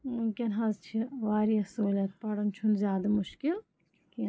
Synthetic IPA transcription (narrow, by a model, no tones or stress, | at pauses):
mukʲɐnɦɐzt͡ʃʰiʋaːɾiɐsoːlʲɐt̪̚pɐɽunt͡ʃʰunzʲjaːd̪ɐmʊʃkil | ki